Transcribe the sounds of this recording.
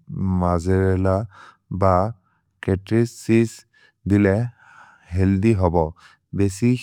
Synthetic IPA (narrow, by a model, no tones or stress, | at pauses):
mazɛɹɛla | ba | kɛtɹisːis | dilɛ | ɦɛldiɦɔbɔ | besi